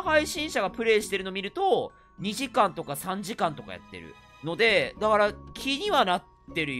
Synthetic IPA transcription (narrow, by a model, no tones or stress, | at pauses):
haiɕĩɰ̃ɕaɡapɯ̟ɾe̞ːɕi̥t̪e̞ɾɯ̟nomʲiɾɯ̟t̪o̞ | ɲ̟iʑikãnt̪o̞kasãɲ̟d͡ʑikãnt̪o̞ka̰ja̰t̪ːe̞̰ɾɯ̰ | no̞d̪e̞d̪akaɾakʲʰiɲ̟iβanat̪ːe̞ɾɯ̟